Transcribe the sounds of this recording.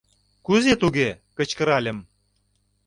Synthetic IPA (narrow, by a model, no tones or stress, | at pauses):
kuzet̪uɣekə̆t͡ɕkə̆ɾɑlʲə̆m